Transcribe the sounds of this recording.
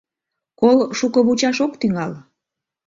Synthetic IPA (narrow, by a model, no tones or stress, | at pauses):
kolʃukəβut͡ɕɑʃokt̪yŋɑl